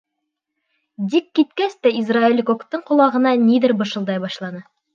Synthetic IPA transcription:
d̪ikːit̪̚kæst̪æizrailʲːkokt̪ːɤɴqŏlˠɑʁɤ̆nɑniðɘɾbɤ̆ʃɤ̆lˠd̪ɑjbɑʃlˠɑnɤ

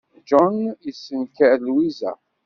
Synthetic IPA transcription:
d͡ʒɔnisːənkəɾlwizæ̰

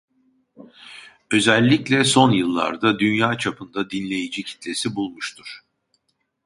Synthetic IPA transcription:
ø̞zælʲːiclʲɛso̞njɯlˠːa̰ɾd̪ad̪ynjaːt͡ʃʰapʰɯnd̪ad̪inlʲe̞jid͡ʒicʰi̥t̪lʲe̞sibulˠmuʃt̪ʰuɾ̥

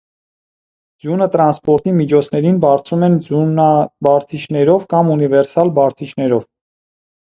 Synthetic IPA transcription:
d͡zjunət̪ɾɑnspɔɾt̪imit͡ʃʰɔt͡sʰnɛɾinbɑɾt͡sʰumɛnunɑbɑɾt͡sʰit͡ʃʰnɛɾɔvkɑmunivɛɾsɑlbɑɾt͡sʰit͡ʃʰnɛɾɔv

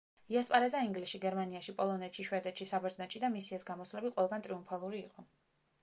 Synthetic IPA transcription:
iaspʼaɾɛzaiŋɡlisʃiɡɛɾmaniaʃipʼɔlˠɔnɛt̪ʃiʃwɛd̪ɛt̪ʃisabɛɾd̪znaʃʰid̪amisiɛsɡamɔslɛbiqʼwɛlˠɡant̪ʼɾiumpʰalˠuɾiːqʼɔ

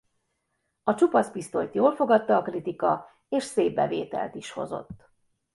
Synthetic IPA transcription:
ɒt͡ʃupɒspist̪o̞̰jt̪joːlfo̞ɡɒt̪ːɒːkrit̪ikɒ | eːʃseːbːɛ̰veːt̪ɛ̰lt̪iʃho̞̰zo̞̰t̪ː

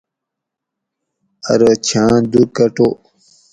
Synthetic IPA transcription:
ə̰ɾot͡ɕʰãːd̪uɾkəʈoː

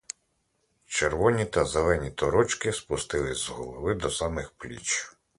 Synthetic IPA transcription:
t͡ʃerʋɔnʲit̪ɐzelˠɛnʲit̪ɔɾɔt͡ʃkɪspʊst̪ɪlˠɪzɦɔlˠɔʋɪd̪ɔsɑmɪxplʲḭt͡ʃ

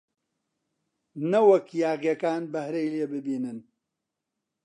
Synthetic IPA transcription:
nɐwɐkjaːɣjɐkaːnbɐhɾejleːbɨbiːnɨn

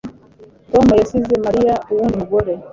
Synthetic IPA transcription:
tɔmajɔsizɛmaɾiauwunimuɡɔɾɛ

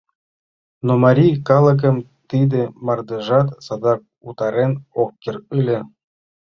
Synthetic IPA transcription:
nomɑɾʲijkɑlˠɤ̆k̬ɤ̆mt̪id̪ĕmɑrd̪ĕʒɑt̪sɑd̪ɑk̚ut̪ɑɾenokʲːerɯlʲĕ

